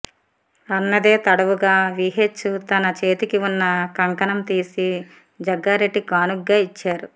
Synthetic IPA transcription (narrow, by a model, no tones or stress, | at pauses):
ɐnːɐd̪eːt̪ɐɽɐʋuɡaːʋiɦet͡ʃːut̪ɐnɐt͡ʃe̞ːt̪ikiunːɐkɐŋkɐnɐmt̪iːsi | d͡ʒɐɡːaːɾeɖːikaːnuɡːaːit͡ʃːaːɾu